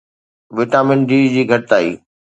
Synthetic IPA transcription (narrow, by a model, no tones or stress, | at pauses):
ʋɪʈaːmɪnɖiːd͡ʑiːɡʱɐʈɪt̪aːḭː